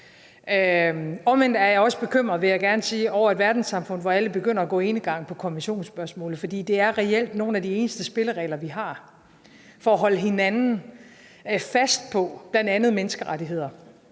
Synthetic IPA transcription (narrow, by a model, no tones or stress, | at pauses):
ɒ̽menæɐjɑɒ̽sə̥b̥e̝kʰøm̰ʁɐð̩ˠʋe̝jɑ̈ɪɡ̥æɐnəsiːɒʊ̰ɐed̥ʋæɐd̥n̩sɑ̈mfɔ̽n̰̩ˠʋɒæləb̥e̝ɡ̥øn̰ɐːɡ̥ɔ̰̽e̝nəɡ̥ɑ̈ŋ̰pʰɒ̽kʰɒ̽nmʋinɕo̝̰ːnsb̥ɶɐsmɔ̰ːlð̩ˠfɒ̽d̥ḭːd̥e̝æɐʁɛel̰d̥no̝ːnæd̥ie̝ːnəsd̥əsb̥e̝ləʁɛ̰ɪlɐʋiɦɑ̈ | fɒːɦɒ̽ləɦe̝nænn̩ | fæsd̥̚pʰɒ̽b̥lænd̥ænð̩ˠmenəsɡ̥əʁaɾiɦe̝ð̞̰ˠɐ